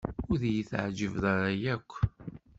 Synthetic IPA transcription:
ʊɾðjəθʕd͡ʒəvðaɾajækʷː

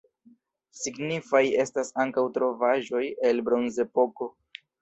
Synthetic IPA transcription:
siɡnifaje̞stasaŋkawtɾo̞vaʒo̞je̞lbɾo̞nze̞poko̞

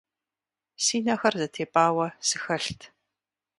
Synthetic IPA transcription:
siːnɐxɐrzɐtʰeːpʼaːwɐsɨxɐɬtʰ

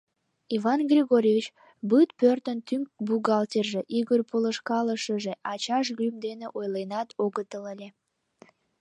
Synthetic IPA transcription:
ivɑnɡrʲeɣoɾʲevit͡ɕ | bɯt̪pørt̪ənt̪yŋk̚buɣɑlt̪ʲerʒeʔiɣərpoləʃkɑləʃəʒeʔɑt͡ɕɑʃɣymd̪eneʔojlenɑt̪oɣət̪ələlʲe

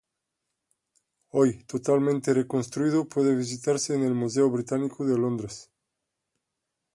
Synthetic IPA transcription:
ojt̪ot̪almẽnt̪erekonst̪ɾuiðopweðeβ̞is̬it̪aɾseːnelmuseoβɾit̪anikoðelond̪ɾes

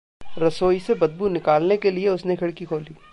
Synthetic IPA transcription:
ɾɐsoːisebɐd̪̚bunɪkaːlnekelieʊsnekʰɐɽkikʰoːliː

